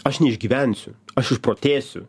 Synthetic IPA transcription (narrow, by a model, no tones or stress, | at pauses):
ɐʃnʲɛɪʒʲɡʲiːʋʲɛnʲsʲʊɐʃɪʃpɾoːt̪ʲeːsʲʊ̰